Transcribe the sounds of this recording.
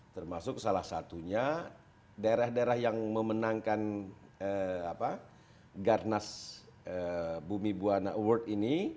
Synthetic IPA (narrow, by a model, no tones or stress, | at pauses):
t̪ərmasʊk̚salahsat̪uɲa | daeɾahdaeɾahjaŋməmənaŋkanəapa | ɡarnasəbumibuanawərt̪̚ini